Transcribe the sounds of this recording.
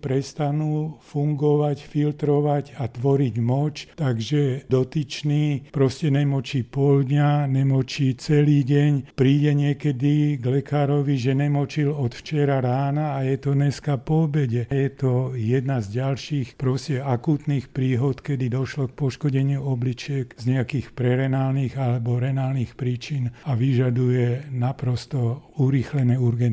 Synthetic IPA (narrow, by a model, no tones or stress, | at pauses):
pɾɛst̪anuːfuŋɡɔʋacfilt̪ɾɔʋaɟat̪ʋɔɾiɟmɔt͡ʃt̪aɡʒɛd̪ɔt̪it͡ʃniːpɾɔscɛnɛmɔt͡ʃiːpɔld̪ɲaɲɛmɔt͡ʃiːt͡sɛliːɟɛɲpɾiːɟɛɲɪɛkɛd̪iɡlɛkaːɾɔʋiʒɛnɛmɔt͡ʃilɔt̪ft͡ʃɛɾaɾaːnaːjɛt̪ɔɲɛskapɔbɛɟɛjɛt̪ɔjɛd̪nazɟalʃiːxpɾɔscɛakuːt̪niːxpɾiːɦɔt̪kɛd̪id̪ɔʃlɔk̚pɔʃkɔɟɛɲɪuɔblit͡ʃɪɛkzɲɛakiːxpɾɛɾɛnaːlniːɣalɛbɔɾɛnaːlniːxpɾiːt͡ʃinaʋiʒad̪ujɛnapɾɔst̪ɔuɾiːxlɛnɛuɾɡɛn